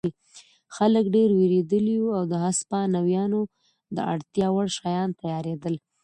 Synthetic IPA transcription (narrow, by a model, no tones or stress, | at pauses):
i | xaləkɖeɾweɾed̪əliuawd̪əɦaspɑnawjɑno | d̪əʔa̰ɽt̪jɑwaɽʃɑjɑnt̪ajɑɾed̪əl